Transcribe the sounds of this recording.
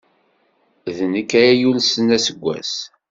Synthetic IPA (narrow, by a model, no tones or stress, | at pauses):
ðnəkːajæjulsənæsəɡʷːæ̰s